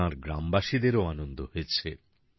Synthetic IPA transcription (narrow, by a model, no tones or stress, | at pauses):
ãɾɡɾambaʃid̪eɾoanond̪oɦojet͡ɕʰe